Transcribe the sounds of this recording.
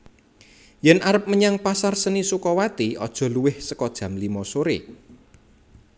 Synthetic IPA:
jɛnʔaɾəp̚məɲaŋpasarsənisukɔwat̪iɔ̰d̥ʒ̥ɔ̤luwɪhsəkɔd̥ʒ̥ä̤mlimɔsoɾe

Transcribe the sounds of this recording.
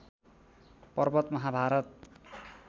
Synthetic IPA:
pʌrbʌt̪mʌɦabʱaɾʌt̪

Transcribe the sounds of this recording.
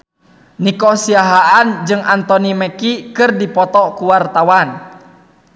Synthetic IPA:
nikɔsiaɦaʔand͡ʒɨŋʔant̪ɔnimɛkikɨrdipɔt̪ɔkuwart̪awan

